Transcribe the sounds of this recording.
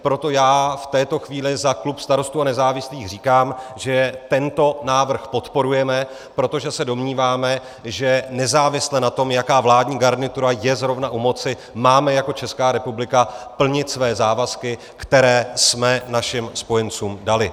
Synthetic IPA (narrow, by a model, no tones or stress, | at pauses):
pɾo̞t̪o̞jaːft̪ɛːt̪o̞xviːlɪzaklupst̪aɾo̞st̪uːanɛzaːvɪsliːxr̝iːkaːmʒɛt̪ɛnt̪o̞naːvr̩xpo̞t̪po̞ɾujɛmɛ | pɾo̞t̪o̞ʒɛsɛdo̞mɲiːvaːmɛ | ʒɛnɛzaːvɪslɛnat̪o̞mjakaːvlaːdɲiːɡaɾnɪt̪uɾajɛzɾo̞vnaʔumo̞t͡sɪ | maːmɛjako̞t͡ʃɛskaːɾɛpublɪkapl̩ɲɪt̪svɛːzaːvaskɪ | kt̪ɛɾɛːsmɛnaʃɪmspo̞jɛnt͡suːmdalɪ